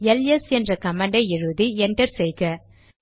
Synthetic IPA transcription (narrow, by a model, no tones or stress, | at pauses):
ɛlɛsɛndrɐkɐmɐɳɖɐɪɻɯðiɛɳʈɐɾsɛjkɐ